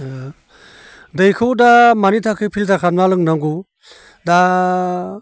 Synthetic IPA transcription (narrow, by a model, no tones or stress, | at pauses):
dɯjkʰɯwdamanitʰakʰɯpʰiltʰakʰanmalɯŋnaŋɡu | da